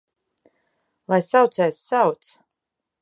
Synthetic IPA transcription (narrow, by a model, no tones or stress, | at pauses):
lˠajsawt̪sɛːsːawt̪s